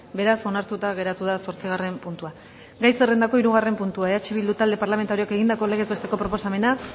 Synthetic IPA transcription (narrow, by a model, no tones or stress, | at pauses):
be̞ɾaso̞naɾt̪ut̪aɣ̞e̞ɾat̪uðaso̞ɾt͡siɣ̞are̞mpunt̪ua | ɡajsere̞nd̪ako̞iɾuɣare̞mpunt̪uaeat͡ʃeβ̞ild̪ut̪ald̪e̞paɾlame̞nt̪aɾioke̞ɣ̞ind̪ako̞le̞ɣ̞e̞ze̞st̪e̞ko̞pɾo̞po̞same̞na